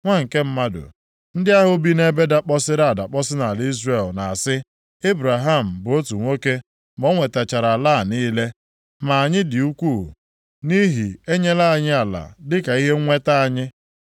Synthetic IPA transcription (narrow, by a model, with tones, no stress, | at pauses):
ŋʷa˦ŋ̩˨ke˦m̩˦ma˦dʊ̰˨ | n̩˦dɪ˦a˦ɦʊ˨bi˦ne˦be˦da˦k͡pɔ˦sɪ˦ɾa˦a˨da˨k͡pɔ˦sɪ˦na˨li˦zre˨lna˨a˨sɪ˦ | e˦bɾa˨ɦa˦˨m̩˨bʊ˨o˦tu˨ŋʷo˦ke˦ | mo˦ŋʷe˨ta˨t͡ʃa˨ɾa˨la˦˨niː˦le˦ | ma˨a˨ɲɪ˦dɪ˨u˦kʷu˦˨ | ni˦ɦi˨e˦ɲe˦la˦a˨ɲɪ˦a˨la̰˨dɪ˦ka˨i˦ɦe˦ŋʷe˦ta˦a˨ɲɪ˦